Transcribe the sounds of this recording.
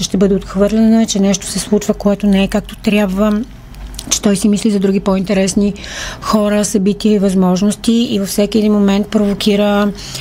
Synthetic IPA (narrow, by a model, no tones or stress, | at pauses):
t͡ʃɛʃt̪ɛbɤd̪ɛot̪xvɤɾlʲɛnot͡ʃɛnɛʃt̪o̥sɛslˠut͡ʃvəkoɛt̪onɛɛkak̚t̪o̥t̪ɾʲjabvə | t͡ʃɛ̥t̪ɔjsimislizɐd̪ɾuɡipɔint̪ɛɾɛsnixɔɾəsɐbit̪iəivɐzmɔʒnost̪iivɐfsɛkʲiɛd̪inmomɛnt̪̚pɾovokʲiɾə